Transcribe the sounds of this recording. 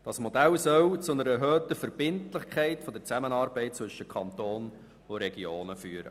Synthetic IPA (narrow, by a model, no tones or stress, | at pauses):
d̥ɑsmɔd̪ælsœwt͡sʊnəɾɛɦœːtəfəɾb̥ɪntlɪχkʰχɛɪtfɔd̪əɾt͡sæmənɑːɾbɛɪt̚t͡sʋɵʃəkʰɑnt̪oːn | ʊɾɛɡioːnəfyːɾə̰